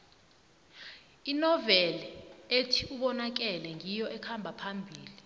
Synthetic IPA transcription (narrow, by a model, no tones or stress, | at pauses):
inɔvɛlɛetʰiuɓɔnak̬ɛlɛŋijɔʔɛkʰambʱapʰambʱiːli